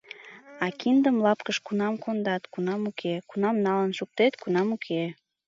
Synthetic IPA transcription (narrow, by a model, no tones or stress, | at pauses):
ɑkind̪əmlɑpkəʃkunɑmkond̪ɑt̪kunɑmukʰekunɑmnɑlənʃuk̚t̪et̪kunɑmukʰe